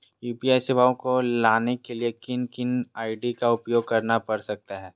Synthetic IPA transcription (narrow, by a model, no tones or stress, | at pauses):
juːpiaːjsɪbaːõkolaːnekeliekɪnkɪnaːɪɖikaʊpjoːɡ̚kɐɾnapɐɾsɐk̚t̪aɦɛː